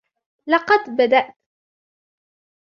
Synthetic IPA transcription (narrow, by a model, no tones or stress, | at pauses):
lɑqɑd̪bad̪aʔt̪